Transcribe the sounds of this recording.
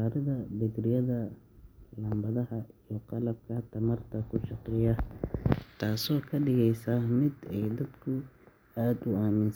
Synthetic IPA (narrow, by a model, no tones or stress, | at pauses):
aːɾɐðɐbɪd̪rɪjɐðɐ | lɐmbɐðɐɦɐijɞqɑlɐb̚kʰɐt̪ʰɐmɐrt̪ʰɐkʰʊʃɑqɪjɐ | t̪ʰaːsɔːkʰɐɖɪɣɛjsaːmɪd̪ɛjd̪ɐd̪kʰʊ | aːd̪ʊaːmɪns